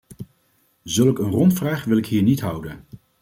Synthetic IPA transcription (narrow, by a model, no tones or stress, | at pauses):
zɵlˠkənrɔntfraːχʋɪlɪkɦiːɹnitɦʌwdən